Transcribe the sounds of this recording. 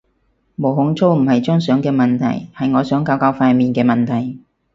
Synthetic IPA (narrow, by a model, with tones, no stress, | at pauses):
mo˨˩wɦʊ˨˧˥ŋt͡sʰo˥wm̩˨˩hɐ˨jt͡ʃœː˥ŋsœː˨˥ŋkɛː˧mɐ˨nt̪ʰɐ̰˨˩jhɐ˨jŋɔː˨˧sœː˨˥ŋkaː˧wkaː˧˥wfaː˧miː˨nkɛː˧mɐ˨nt̪ʰɐ˨˩j